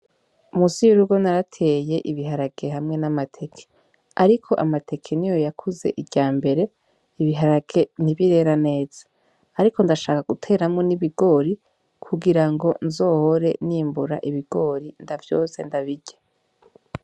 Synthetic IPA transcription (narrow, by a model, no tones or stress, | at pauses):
umusijuɾuɡo̞naɾatʰe̞jeʔiβiɦaɾaɡ̥e̞ɦamŋe̞namatʰe̞kʰe̥ | aɾikʰo̞ʔamatʰe̞kʰenijo̞jakʰuze̞̰ʔiɟaːmbe̞ɾe̞ | iβiɦaɾaɡ̥e̞niβiɾe̞ɾane̞ːz̥ḁː | ɾiko̞ndaʃaːkaɡ̥utʰe̞ːɾamŋo̞niβiɡo̞ːɾi | kʰuɡiɾaŋɡo̞nzo̞ːho̞ɾe̞niːmbuɾa̰ʔiβiɡ̥o̞ɾindavjo̞ːse̞ndaβiɟe